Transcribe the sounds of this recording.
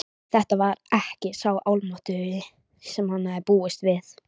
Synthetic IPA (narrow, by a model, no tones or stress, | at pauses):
θɛht̪avaɾɛhcɪsawʔawlmat̪ʏjɪ | sɛmhanːaðɪɾpuːɪst̪vɪθ